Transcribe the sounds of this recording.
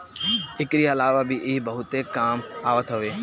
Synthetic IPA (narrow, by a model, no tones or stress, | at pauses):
ɪkɾiɐlaːʋabʱiʔɪɦbɐɦʊt̪ekaːmaːʋət̪ɦɐʋeː